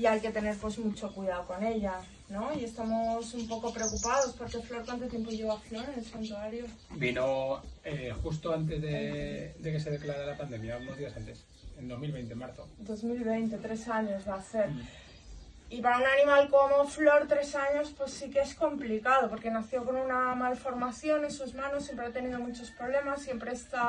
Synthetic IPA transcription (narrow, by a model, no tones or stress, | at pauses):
ajke̞t̪e̞ne̞ɾpwe̞zmut͡ʃo̞kwuiðaðoko̞ne̞ʎa | no̞ie̞st̪amo̞sumpo̞ko̞pɾe̞okupað̞ospo̞ɾke̞flo̞ɾkwant̪o̞t̪je̞mp̬o̞ʝeɣaflo̞ɾenelsant̪uaɾjo | binoexus̬t̪oant̪̬e̞zðed̪eke̞se̞ð̞e̞klaɾelapand̪e̞mjauno̞zðiasant̪e̞s | end̪o̞zmilβejnt̪emaɾθod̪o̞zmilβe̞jnt̪e̞t̪ɾe̞saɲo̞zβaθe̞ɾ | ipaɾaunanĩmalko̞mo̞flo̞ɾt̪ɾe̞saɲo̞spwe̞sːikeesko̞mplikað̞o̞po̞ɾke̞naθjo̞ko̞nunamalfo̞ɾmaθjo̞nensuzmãnosːje̞mp̬ɾeat̪e̞nið̞o̞mut͡ʃo̞spɾo̞βle̞masːje̞mpɾe̞est̪a